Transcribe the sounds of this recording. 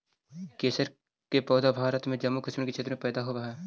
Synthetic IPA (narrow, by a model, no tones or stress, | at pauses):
keːsəɾ | kepɔːd̪abʱaːɾət̪mẽd͡ʒɐmːukɪʃmɪnket͡ʃʰeːt̪ɾmẽpɛːd̪aɦoaɦɛː